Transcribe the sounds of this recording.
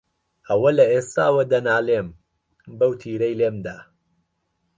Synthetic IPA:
ʔɐwɐlɐʔeːst̪aːwɐd̪ɐnaːlem | bɐwt̪ʰiːɾɐjleːmd̪aː

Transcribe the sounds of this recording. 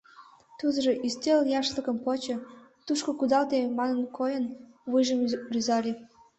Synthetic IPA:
t̪uz̆ʒɤʔyst̪ʲeljɑʃlə̆kɤ̆mpot͡ɕɤ̆t̪uʃkŏkud̪ɑlt̪emɑnənkʰojə̆n | βɯjʒəmryzɑlʲe

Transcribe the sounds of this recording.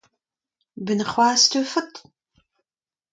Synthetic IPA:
bɨnχʷɑːstʰuːfɐtʰ

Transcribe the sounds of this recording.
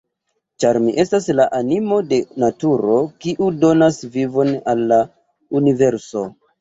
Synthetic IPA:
t͡ʃaɾmiʔe̞staslaʔanimo̞de̞natuɾo̞kiʔudo̞nasvivo̞nalːa | unive̞ɾso̞

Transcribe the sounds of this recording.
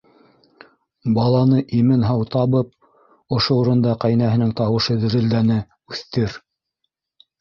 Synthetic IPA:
bɑlˠɑnɤʔimɘnɦɑwt̪ɑβɤp̚ | ŏʃouɾɤ̆nd̪ɑqæjnæɦɘ̆nɘŋt̪ɑwɤ̆ʃɤðɘ̆ɾɘ̆ld̪ænɘ | ʉθt̪ɘɾ

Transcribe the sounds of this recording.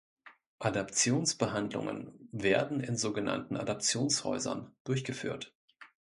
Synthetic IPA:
ʔadapt͡sjoːnsb̥əɦandlʊ̰ŋə̰nveːɐdn̩ɪnzoːɡəna̰ntn̩ʔa̰dap̚t͡sjoːnshɔ̰ʏzɐ̰nd̥ʊɐçɡ̥əfy̰ːɐt

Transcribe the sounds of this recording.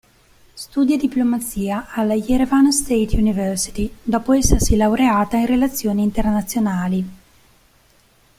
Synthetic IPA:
st̪uːd̪jad̪iplomat̪siːaalajeɾovanast̪et̪junivɛrsi̥t̪id̪ɔːpoɛsːersilawɾeaːt̪ainrelat̪sːjoːniːnt̪ernat̪sːjonaːli

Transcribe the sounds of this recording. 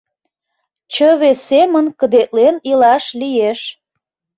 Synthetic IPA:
t͡ɕəβesemənkəd̪et̪lenilɑʃlijeʃ

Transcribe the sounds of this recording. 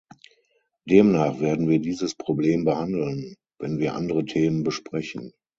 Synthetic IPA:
d̥eːmnaːχv̥eːɐdn̩viːɐdiːzəspʁ̥obleːmbəhandl̩n | vɛnviːɐʔa̰ndəʁətʰeːmənbəʃpʁ̥ɛçn̩

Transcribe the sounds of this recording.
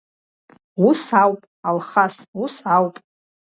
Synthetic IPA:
wusawpʼ | alχasusawpʼ

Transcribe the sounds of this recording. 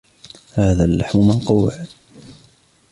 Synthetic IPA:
haːðaːlːaħmʊmanqɑwːɪ̰ʕ

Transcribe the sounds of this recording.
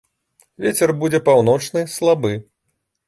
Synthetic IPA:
vʲet͡sʲɛrbud͡zʲɛpawnɔt͡ʂnɨslˠabɨ

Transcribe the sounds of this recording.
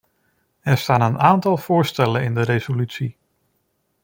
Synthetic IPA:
ɛɹstaːnənʔaːntɑlˠv̥ʊːɹstɛlənɪndəɾezolytsi

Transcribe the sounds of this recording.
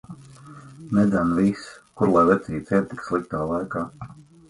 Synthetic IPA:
nɛd̪zanviskuɾlˠajlɛt̪sʲiːt̪sʲɛɛt̪i̥kslˠik̚t̪aːlˠajkaː

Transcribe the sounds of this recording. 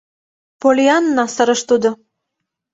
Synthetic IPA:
polʲiɑnːɑsə̆ɾə̆ʃt̪ud̪ŏ

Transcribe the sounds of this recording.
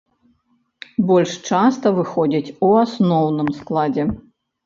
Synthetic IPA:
bɔlʲʂt͡ʂast̪ɐvɨxɔd͡zʲit͡sʲuasnɔwnɨmsklˠad͡zʲɛ

